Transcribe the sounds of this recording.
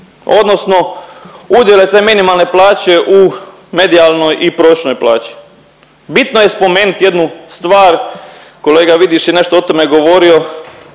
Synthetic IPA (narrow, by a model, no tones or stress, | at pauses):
o̞̰d̪nosno̞ | ud̪jelet̪e̞ːminimalne̞plˠaːt͡ɕe̞ʔu | me̞d̪ialnojʔipɾoʃnojplˠa̰ːt͡ɕi̥ | bit̪nojespo̞me̞ːnut̪je̞d̪nust̪ʋaːɾko̞le̞ːɡaʋid̪iʃjene̞ʃt̪oot̪o̞meɡo̞ʋo̞ɾio̞